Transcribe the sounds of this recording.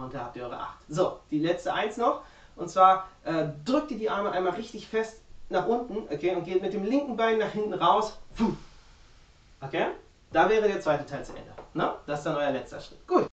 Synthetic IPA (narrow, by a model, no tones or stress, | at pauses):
ʔʊntd̥aːhap̚tiːɐɔʏə̰ʔa̰χtz̥oːd̥iːlɛt͡stəʔaɪnsnɔχ | ʔʊntt͡sv̥aːɐʔɛːdʁʏk̚tiːɐdiːʔaɐməʔaɪnmaːlʁɪçtɪçfɛstnaːχʔʊntn̩ʔokʰeːʊnt̚ɡ̥eːtmɪt̚d̥eːmlɪŋkŋ̩baɪnːaːχhɪntn̩ʁaʊsvu | ʔokʰeː | d̥avɛːʁ̞ədeːɐt͡sv̥aɪtətʰaɪlt͡suʔɛ̰ndə̰nəd̥asɪstd̥anʔɔʏɐlɛt͡stɐ̰ʃʁ̥ɪtɡ̥uːt